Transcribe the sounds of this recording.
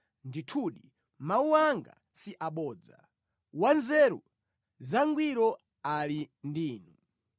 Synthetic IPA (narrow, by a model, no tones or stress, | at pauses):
nditʰuɗi | mauwaŋɡa̰ | siʔaɓɔːd͡za̰ | wanzɛɾṵ | zaŋɡwiɾɔ | alindiːnu